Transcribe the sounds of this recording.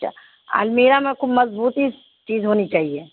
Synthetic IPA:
t͡ʃʰa̰ː | a̰lmeːɾamẽkʊbmɐzbuːt̪i | t͡ʃiːzɦoːnit͡ʃaːɦieː

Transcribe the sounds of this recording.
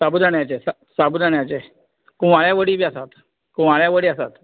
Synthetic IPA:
sabud̪aɳjat͡ɕesa | sabud͡zaɳjat͡ɕe | kuʋaɭjaʋəɽiːbiasat̪ | kũʋaɭjaʋəɽiːasat̪

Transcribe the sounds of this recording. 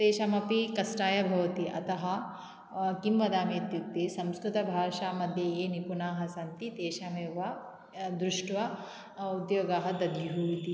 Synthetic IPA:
t̪eːʃaːmɐpikɐsʈaːjɐbʱɐʋɐt̪iʔɐ̰t̪ɐɦɐ̆ | kimʋɐd̪aːmit̪juk̚t̪isɐmskɾut̪ɐbʱaːʂaːmɐd̪ʱjɐeːnipunaːɦɐsɐnt̪it̪eːʃaːmeːʋɐ | d̪ɾuʂʈʋɐ | ud̪joːɡaːɦɐd̪ɐd̪juɦuːit̪i

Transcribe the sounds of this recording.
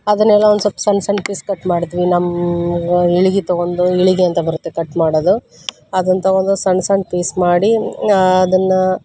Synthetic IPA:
ɐd̪ɐnɛlːɐond̪usɐpːɐ̥sɐnsɐɳɖpiːskɐʈːmaːɽt̪iʋinɐmː | iɭiɡit̪oɡond̪uiɭiɡeɐnt̪ɐbɐɾut̪ːekɐʈːmaːɽod̪u | ɐd̪ɐnt̪oɡond̪usɐnsɐɳɖ̚piːsmaːɽiː | d̪ɐnːɐ

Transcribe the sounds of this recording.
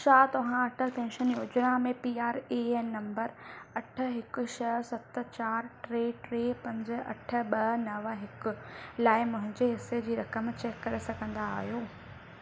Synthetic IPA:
ʃaːt̪ɐʋ̤ãɐʈʰətɛ̃ːnʃəniʊd͡ʑɾãmẽpiːaːɾeːenːɐ̃mbəɾɐʈʰə̆ɦɪkʊ̆ʃɐɦsɐt̪ə̆t͡ɕaːɾʈɾeːʈɾeːpɐ̃ɲd͡ʑ̆ɐ̰ʈʰə̆ɓɐnɐʋɦɪkʊ̆laːɪmʊ̃ɦɪ̃ɲd͡ʑeɦɪsːed͡ʑiːɾɐkəmt͡ɕɛːkːɐɾesɐɡʱə̃nd̪aːɦjoː

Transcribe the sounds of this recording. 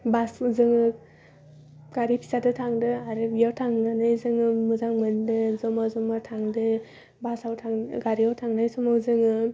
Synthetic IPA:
baszɯŋɯ | ɡ̥aɾipʰi̥zadɯtʰaŋdɯaɾɯbijawtʰaŋnɯnajzɯŋɯmɯzaŋmɯndɯzɔmazɔmaɾtʰaŋdɯ | basawtʰaŋɡaɾijawtʰaŋnajsɔmawzɯŋɯ

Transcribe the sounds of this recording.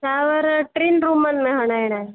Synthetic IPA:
t͡ʃaːʋəɾʈɾinɾumənmẽɦəɽ̃aːɽ̃ae

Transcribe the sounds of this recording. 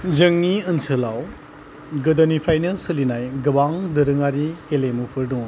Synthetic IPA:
zɯŋniənsʰɯlaw | ɡɯdɐnipʰɾajnɯsɯlinajɡɯbaŋdɯɾɯŋaɾikelemupʰɯɾduŋ

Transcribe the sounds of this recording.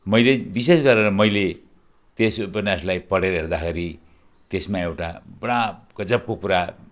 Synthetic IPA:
mʌjlebisesɡʌɾeɾʌmʌjle | t̪esbʌnʌslajpʌɽeɾʌɦeɾd̪axʰeɾi | t̪esmaewʈabʌɽaɡ̥ʌd͡zʌp̚kokuɾa

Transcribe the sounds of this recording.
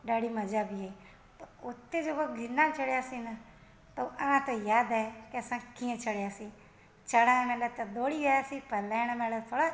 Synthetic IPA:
ɖaːɽiːməd͡ʒaːbiɦe | pəɾʊt̪ːed͡ʒəboɡʱɪnːaːt͡ʃəɽjaːsĩːnə | t̪oʔənãːt̪ojaːd̪aekeəsãːkiːə̃t͡ʃəɽjaːsĩː | t͡ʃəɽaːmeːlat̪ad̪oːɽiːʋejaːsĩːpəɾlɛːñmɛ̃ːlat̪ʰoːɽa

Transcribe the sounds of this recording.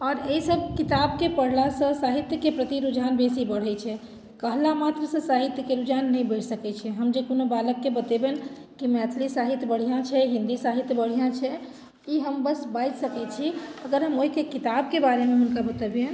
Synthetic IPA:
ɔːɾeisəb̚kit̪ab̚kepəɽ̤lasə̃saɦit̪jəkepɾət̪iɾud͡ʒanbesibəɽ̤ɛt͡ʃʰɛ | kəɦlamat̪ɾəsə̃saɦit̪jəkeɾud͡ʒanːəjbəɪʈsəkɛt͡ʃʰɛɦəmd͡ʒekonobaləkːebət̪eben | kimɛt̪ʰlisaɦit̪jəbəɽ̤ijãt͡ʃʰɛɦĩnd̪isaɦit̪jəbəɽ̤ijãt͡ʃʰɛ | iɦəmbəsbajd͡ʒsəkɛt͡ʃʰiəɡəɾɦəmoɦikekit̪ab̚kebaɾemeɦunkabət̪əbjẽ

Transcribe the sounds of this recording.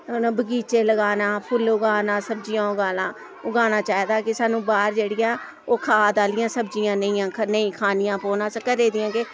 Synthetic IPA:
bəɡiːt͡ʃeːləɡaːnaːpʰʊlʊɡaːnãːsəbd͡ʒɪjãːʊɡaːlãː | ʊɡaːnaːt͡ʃaːeːd̪aːkɪsaːnũːbaːɾd͡ʒeːɽɪjãː | oːkʰaːd̪aːlɪjãːsəbd͡ʒɪjãːnəĩːãːkʰnəĩːkʰaːnɪjãːpoːnãːsəkəɾeːd̪ɪjãːkɪ

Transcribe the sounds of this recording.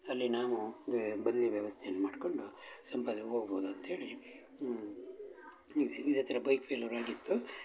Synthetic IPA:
ɐlːinaːʋud̪ubɐd̪ɐlijɐʋjɐʋɐst̪ʰejɐnːɐmaːɖko̞ɳɖusɐmpaːd̪ɐɦoːɡboːd̪uɐnt̪ɐe̞ːɭi | id̪ɐt̪ːɐɾɐbɐjkpʰelɐɾaːɡit̪ːu

